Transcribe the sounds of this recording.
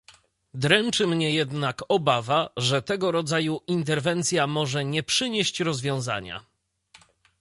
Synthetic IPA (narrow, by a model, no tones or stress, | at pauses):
d̪ɾɛnt͡ʂɘmɲɛjɛd̪nakɔbavaʐɛt̪ɛɡɔɾɔd̪zajuʔint̪ɛɾvɛnt̪sʲjamɔʐɛɲɛpʂɘɲeɕt͡ɕɾɔzvʲjɔ̃w̃za̰ɲa̰